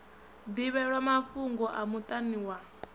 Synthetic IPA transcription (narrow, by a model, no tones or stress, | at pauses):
d̪iβɛɺwamaɸuŋɡɔʔamut̪ʼaniwa